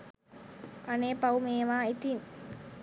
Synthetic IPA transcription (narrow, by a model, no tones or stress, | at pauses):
ʔaneːpaumeːʋaːit̪in